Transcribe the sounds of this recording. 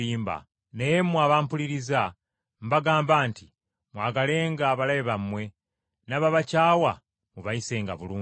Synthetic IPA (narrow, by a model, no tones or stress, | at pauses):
iːmba̰ | nejemwaβaːmpuliɾiza | mbaɡaːmbaːnti | mwaːɡale̞ːŋɡaːβalajeβamwe̞ | naβaβacaːwa | muβaise̞ːŋɡaβuluː